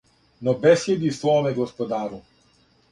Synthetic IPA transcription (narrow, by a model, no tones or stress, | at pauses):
nɔbɛsjɛd̪ist̪vɔmɛɡɔspɔd̪aːɾu